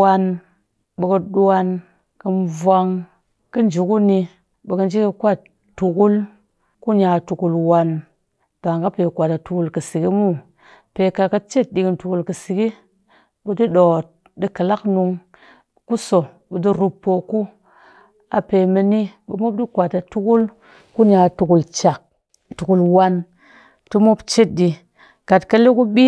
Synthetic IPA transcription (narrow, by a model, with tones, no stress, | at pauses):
wa˧n | ɓə˨kə˧ɗu˦a˧n | kə˧nvwa˧ŋ | kə˦n˨d͡ʒu˨˦ku˦ni˧ | ɓə˨kə˦nd͡ʒi˦ki˧kʷa˦˨t | tu˨ku˦l | ku˦ɲa˨tu˨ku˧lwa˨n | ta˨ŋka˦pe˨kʷa˨ta˨tu˨ku˧˨lkə˨si˨ki˦mu˦˨ | pe˧ka˧ka˦t͡ʃe˦˨t̚ɗi˨ki˨ntu˨ku˧lkə˨si˨ɡi˦ | bu˨di˦ɗo˨t̚ | di˦ka˨la˦knu˧ŋ | ku˦so˨ | bu˨di˦ɾu˧pːo˨ku˦ | a̰˨pe˨me˧ni˦ɓṵ˨˦mo˦p̚di˦kʷa˨ta˨tu˦ku˦l | ku˦ɲa˨tu˨ku˨lt͡ʃa˨k̚ | tu˨ku˨lwa˦n | ti˦mo˦pt͡ʃe˦t̚di˧ | ka˨tka˦le˦ku˦ɓi˦